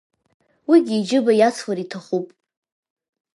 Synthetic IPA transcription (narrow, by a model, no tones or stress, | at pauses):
wiɡʲiːd͡ʒɪbajat͡sʰwaɾitʰaχupʼ